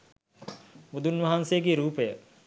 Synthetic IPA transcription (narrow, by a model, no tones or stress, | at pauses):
mud̪unʋɐɦansejəɡeːɾuːpəjə